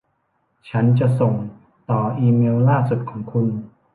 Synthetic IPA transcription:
t͡ɕʰa˦˥nt͡ɕa˨˩ʔso˨˩ŋ | t̪ɔː˨˩ʔiː˧meː˧wlaː˥˩su˨˩t̪̚kʰɔː˩˦ŋkʰu˧n

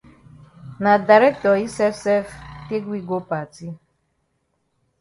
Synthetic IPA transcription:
na˨d̪a˨ɾɛ˦k̚t̪ɔ˨i˦sɛ˦fsɛ˦fke˦ɡwi˦ɡo˦pa˨ti˦

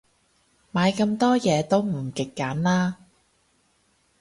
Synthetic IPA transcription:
maː˨˧jkɐ˧mt̪ɔː˥jɛː˨˧t̪o˥wm̩˨˩kɪ˨kːaː˨˥nlaː˥

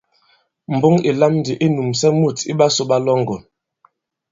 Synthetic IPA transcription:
m̩˨bo˦ŋi˨la˦mn˦di˨ʔe˦nu˨msɛ˦mu˦˨tḭ˦ɓa˦so˦ɓa˦lɔ˦ŋɡɔ˨n

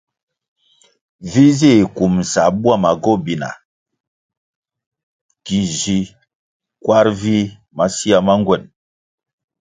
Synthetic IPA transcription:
vi˦zi˦˨ku˨mn̩˨sa˨˦bu˦a˦˨ma˨ɡɔ˦bi˨na̰˨ | ki˨zi˨ | kwa˦ɾvi˦ | ma˦si˦a˨ma˦ŋɡwɛ˨n

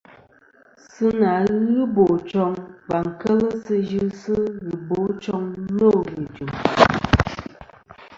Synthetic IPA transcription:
sɨ˦na˨˦ɣɨ˦bo˨t͡ʃɔ˨˦ŋba˨ŋ̩˨kɛ˦lə˦sɨ˦d͡ʒɨ˦sɨ˦ɣi˨bo˨˦t͡ʃɔ˦ŋ˦lo˦˨ɣi˨d͡ʒu˨m

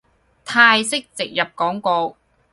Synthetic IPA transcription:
t̪ʰaː˧jsɪ˥k̚t͡sɪ˨k̚jɐ˨p̚kɔː˨˥ŋkɔː˧w

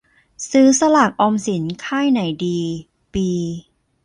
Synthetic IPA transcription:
sɯː˦˥sa˧laː˨˩k̚ʔɔ˧msi˩˦nkʰaː˥˩jna˩˦jdiː˧ | piː˧

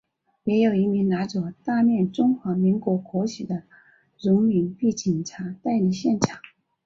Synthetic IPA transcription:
jɛ˧˥jo˨˩ʊi˧˥mi˧˥ŋna˧˥t͡sɔ˧˥˩t̪a˥˧mjɛ˥˩nʈ͡ʂʊ˥ŋxwa˧˥mi˧˥ŋkwɔ˧˥kʰwɔ˧˥ɕʰi˨˩d̪ə˦ | ɻʊ˧˥ŋmi˧˥ŋpi˥˩t͡ɕi˨˩nʈ͡ʂʰa˧˥t̪a˥˧ɪli˧˩ɕjɛ˥˩nʈ͡ʂʰɑ˨˩˦ŋ

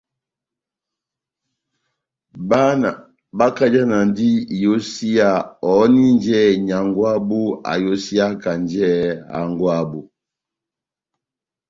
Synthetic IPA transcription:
ba˦na˨ | ba˦ka˦d͡ʒa˦na˨n˦di˦i˨jo˦si˦ja˦˨ɔ˨˦ni˦nd͡ʒɛ˦˨ɲa˨ŋɡwa˦bu˦a̰˨jo˦si˦a˦ka˨nd͡ʒɛ˦˨a̰˨ŋɡwa˦bu˨

